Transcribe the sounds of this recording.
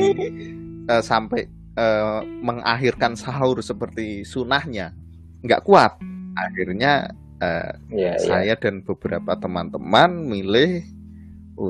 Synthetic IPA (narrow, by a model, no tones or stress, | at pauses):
əːsampɛ | əːməŋʔa̰ɦirkansaʊrsəpərt̪isunahɲa | ŋɡa̰ʔkuat̪̚ʔaxirɲa | ə̰ːsajad̥anb̥əb̥əɾa̰pat̪əmant̪əmanmilɪh | u